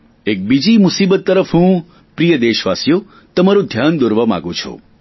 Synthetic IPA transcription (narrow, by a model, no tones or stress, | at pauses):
ek̚bid͡ʒimusibət̪ːəɾəfɦũ | pɾijəd̪eʃʋasjo | t̪əmaɾũd̪ʱjand̪oɾʋamã̰ɡũt͡ʃʰo̰